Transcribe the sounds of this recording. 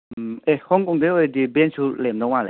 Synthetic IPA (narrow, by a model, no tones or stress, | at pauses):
ehɔŋkɔŋdeɔjdibɛnsulɛmdɔŋmalḛ